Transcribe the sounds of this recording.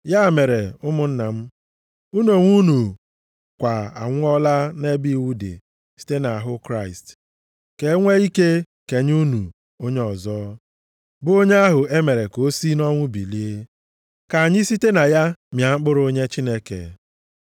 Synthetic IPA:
ja˦˨me˨ɾe˨ʊ˦mʊ˨n̩˦na˨m̩˦ | u˦no˨ŋʷu˦nu˨ | kʷa˨a̰˨ŋʷ˦ɔ˦la˦ne˦bi˦˨wu˦dḛ˨ | si̥˨te˦na˨a˨ɦʊ˦kɾa˦˨ɪ˨st | ke˨˦ŋʷe˦i˦ke˦ | ke˨ɲ˦u˦nu˨ | o˦ɲe˦ɔ˨zɔː˦ | bʊ˦o˦ɲe˦a˦ɦʊ˨e˦me˨ɾe˨ko˦si˦nɔ˦ŋʷʊ˦bi˨li˦e˦ | ka˨a˨ɲɪ˦si˦te˦na˨ja˦mja˨ŋ͡m̩˦k͡pʊ˦ɾo˦ɲe˦t͡ʃi˦ne˦kḛ˨

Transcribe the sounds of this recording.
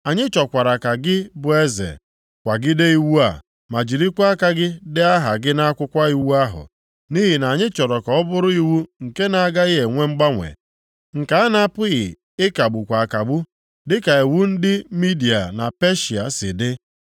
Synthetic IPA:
a˨ɲɪ˦t͡ʃɔ˨kʷa˨ɾa˨ka˨ɡɪ˦bʊ˨˦e˦zḛ˨ | kʷa˨ɡɪ˦de˦i˦wu˦a̰˨ | ma˨d͡ʒi˨ɾi˦kʷa˦ka˦ɡɪ˦dɪ˦a˦ɦa˨ɡɪ˦na˦a˦kʷʊ˦kʷa˦i˦wwu˦a˦ɦʊ̰˨ | ni˦ɦi˨na˨ɲɪ˦t͡ʃɔ˨ɾɔ˨kɔ˨ɔ˦bʊ˦ɾʊ˦i˦wu˦ŋ̩˨ke˦na˨a˦˨ɡa˦ɪ˦ɦe˨ŋʷe˦ŋ͡m̩˦ɡ͡ba˦ŋʷḛ˨ | ŋ̩˨ka˨a˦na˦a˦pʊ˦ɣɪ˨ | ɪ˦ka˨ɡ͡bʊ˨kʷa˨ka˨ɡ͡bʊ˦ | dɪ˦ka˨e˨wu˦n̩˦dɪ˦mi˦di˨a̰˨na̰˨pe˦ʃi˨a̰˨sɪ̰˨dɪ˦

